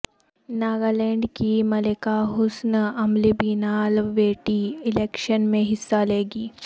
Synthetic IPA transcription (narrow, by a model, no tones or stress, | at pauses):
naːɡaːleːɳɖkimɐlekaːɦʊsnɐmlibiːnaːlʋeːʈiːɪleːkʃənmẽɦɪsːaːleːɡiː